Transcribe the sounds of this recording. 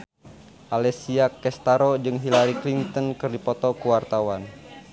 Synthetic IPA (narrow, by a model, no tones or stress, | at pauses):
ʔalɛsiakɛst̪aɾɔd͡ʒɨŋɦilaɾiklint̪ɔnkɨrdipɔt̪ɔkuwart̪awan